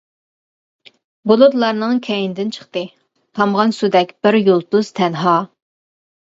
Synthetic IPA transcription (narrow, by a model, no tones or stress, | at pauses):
bolˠud̪lˠɑɾnɨŋkʲʰɛjind̪ɪnt͡ʃʰə̥χt̪ɨ | t̪ʰɑmʁɑnsud̪ɛkʲb̥ɪɾjolˠt̪uz̥t̪ʰɛnɦɑː